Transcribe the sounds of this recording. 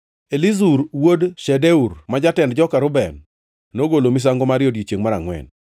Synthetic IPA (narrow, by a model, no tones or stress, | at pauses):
elizuɾwodʃɛdɛuɾmad͡ʒatɛndd͡ʒɔkaɾʊbɛn | noɡolomis̬aŋɡɔmaɾjɔdjit͡ʃjeŋmaɾaŋwɛ̰n